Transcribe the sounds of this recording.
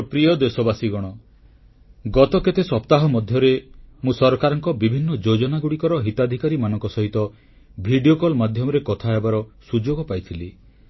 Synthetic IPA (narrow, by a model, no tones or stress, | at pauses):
pɾijɔd̪esɔbasiɡɔɽ̃ɔ | ɡɔt̪ɔket̪esɔpt̪aɦɔmɔd̪ʱjɔɾemũsɔɾɔkaɾɔŋkɔbibʱinːɔd͡ʒod͡ʒɔnaɡuɽikɔɾɔɦit̪ad̪ʱikaɾimanɔŋkɔsɔɦit̪ɔ | bʱiɖiokɔlmad̪ʱjɔmɔɾekɔt̪ʰaebaɾɔsud͡ʒoɡɔpajt̪ʰili